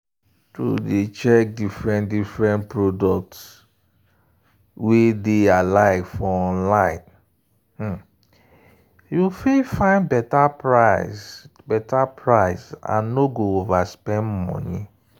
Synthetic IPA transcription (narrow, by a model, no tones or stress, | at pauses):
to̰det͡ʃɛk̚difɹɛ̃ndifɹɛ̃npɹodɔk̚ts | wedealaɪkfɔɔ̃nlãɪ̃n̩ | jufefãɪ̃nbɛtapɹaɪsbɛtapʰɹaɪsã̰nːoɡoovaspɛ̃ndmɔ̰ni